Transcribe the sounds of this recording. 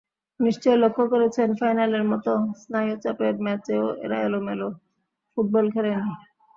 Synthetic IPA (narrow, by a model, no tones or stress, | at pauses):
niʃt͡ɕɔjelokʰːokoɾet͡ɕʰenfajnaleɾmɔt̪osnajot͡ɕapeɾmɛt͡ɕeoḛɾaelomelo | fuʈ̚bɔlkʰeɾeni